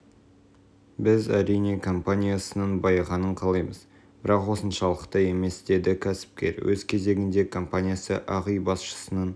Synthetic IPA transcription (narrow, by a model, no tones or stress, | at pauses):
bɪzæ̰ɾijne̞kʰo̞mpanʲijasənəɴbɑjʁɑnəɴqʰɑlˠɑjməz | bɪɾɑqwo̞sənʃɑlˠəqt̪əe̞me̞sd̪̥e̞d̪ɪkʲʰæsɪ̥p̚kʲe̞̰ɾwɵzkʲʰe̞ze̞ɡʲɪnd̪e̞kʰo̞mpanʲijasə̰ʔɑʁijbɑsʃə̥sənən